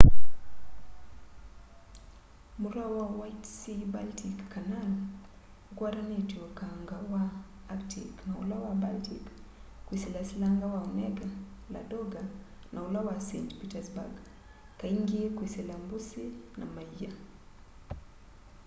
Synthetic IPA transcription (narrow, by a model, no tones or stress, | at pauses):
muɾawawajtsibaltʰikːanal | kwaɾanetiɔkaŋɡawaː | ktʰḭknaṵlawabaltʰikkːwisɛlasilaŋɡawaunɛɡala̰dɔɡa | nʔaulawasɛ̰ntpitasba̰ɡ | kaiŋɡiɛkwisɛlambusina̰maia